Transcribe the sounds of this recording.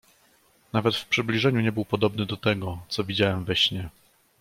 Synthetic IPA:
navɛt̪fpʂɘblʲiʐɛɲuɲɛbɘwpɔd̪ɔbnɘd̪ɔt̪ɛɡɔt̪sɔvʲid͡ʑawɛmvɛɕɲɛ

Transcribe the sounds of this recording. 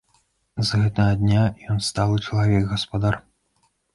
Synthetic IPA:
zɣɛt̪ɐɣɐd̪ʲnʲajɔnst̪alˠɨt͡ʂɐlˠavʲɛɡɣɐspad̪ar

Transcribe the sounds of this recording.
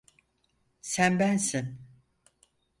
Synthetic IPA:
sænbænsin

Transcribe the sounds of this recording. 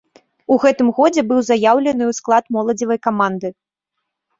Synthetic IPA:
uɣɛt̪ɨmɣɔd͡zʲɛbɨwzajawlʲɛnɨwsklˠat̪mɔlˠɐd͡zʲivɐjkamand̪ɨ

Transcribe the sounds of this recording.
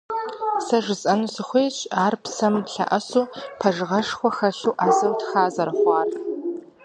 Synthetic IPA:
sɐʐɨzʼɐnuːsɨχʷeːt͡ʃʼaːrpsɐmɬa̰ʔɐsuːpʰɐʒɨʁɐʂxʷɔxɐɬuwʔaːzɐwtʰxaːzɐɾɨχʷɑːr

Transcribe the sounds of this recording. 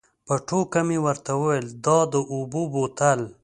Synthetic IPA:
paʈʰokamiwəɾt̪awəwejld̪ɑd̪əʔububot̪al

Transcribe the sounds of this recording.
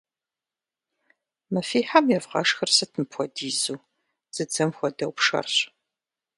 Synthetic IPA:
mɐfiːħamjɛvʁɐ̰ʂxɐrsɐtʰɨmpʰʷɔdiːzuː | z̥ɨd͡zɐmxʷɔdɐwpʂɐ̰rɕ

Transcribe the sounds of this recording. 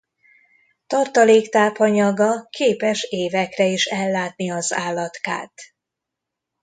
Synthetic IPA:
t̪ɒrt̪ɒleːkt̪aːpɒɲɒɡɒkʰeːpɛʃeːvɛkrɛiʃɛlːaːt̪̚niɒzaːlːɒt̪ka̰ːt̪

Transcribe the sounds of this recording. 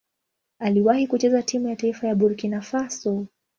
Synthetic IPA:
aliwahikut͡ʃɛzatimujataifajaɓuɾkinafasɔ

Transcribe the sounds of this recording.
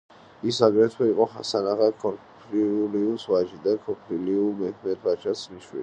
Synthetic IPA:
isaɡɾɛt̪ʰwɛiqʼɔχa̰sanaʁakʰɔpʰɾiuliuswaʒid̪akʰɔpʰɾiliumɛkʰmɛt̪ʰvat͡ʃʰasʰniʃwḭl

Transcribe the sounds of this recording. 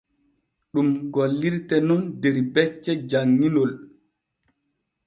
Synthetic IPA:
ɗumɡolːiɾtɛnɔndɛɾbɛt͡ʃːɛd͡ʒaŋːinol

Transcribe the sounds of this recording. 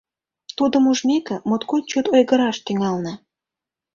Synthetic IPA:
t̪ud̪ə̆muʒmekĕmot̪kot̪t͡ɕut̪ojɣə̆ɾɑʃt̪yŋɑlnə̆

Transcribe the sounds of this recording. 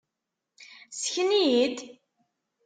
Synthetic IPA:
səçənijid̪

